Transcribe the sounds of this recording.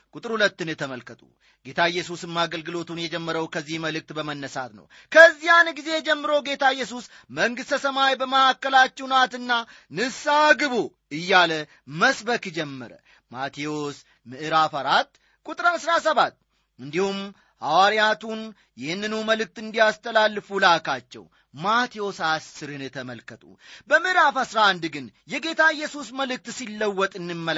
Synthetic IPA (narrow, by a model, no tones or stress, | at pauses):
kʼut̪ʼɨɾhulət̪ːɨnjɛt̪ʰəməlkət̪ʼṵ | ɡ̥e̞t̪ʰaɪjːɛsusɨmːaɡəlɡɨlo̞t̪unjɛd͡ʒɛmːəɾəwkʰəzːihməlɨk̚t̪bəmənːəsa̰t̪nə̰w | kʰəzːijanɡize̞jɛd͡ʒɛmːɨɾo̞ɡe̞t̪ʰajːɛs̬usməŋɡɨst̪əsəmajbəməakːəlat͡ʃːɛwnat̪ɨnːa | nɨsaɡɨβo | ɨjːalə | məsbəkd͡ʒɛmːə̰ɾə̰ | mat̪ʰeos | mɨʔɨɾafaɾat̪ː | kʼut̪ʼɾaːsɾasəβat̪ː | ɨnd̪ihum | hawaɾijat̪ʰun | jɪhɨnːɨnuməlɨk̚t̪ɨnd̪ijast̪ʰəlalːɨfulakʰat͡ʃːɛ̰w | mat̪ʰijo̞sasːɨɾɨnt̪ʰəməlkʰət̪ʼṵbəmɨʔɨɾafasɾaand̪ɡɨnjɛɡe̞t̪ʰaɨjːɛsusməlɨk̚t̪silːəwːɔt̪ʼɨnːɨmːəl